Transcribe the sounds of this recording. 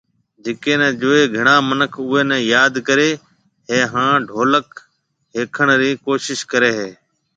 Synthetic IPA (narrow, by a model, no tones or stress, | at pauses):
d͡ʒeːkeːnɛ̃ːd͡ʒoːeːɡʱəɳãːmənəkʰʊːeːnɛ̃ːjaːd̪kəɾeː | ɦeːɦãːɖʱoːlək | ɦeːkʰəɳɾiːkoːʃɪʃkəɾeːɦeː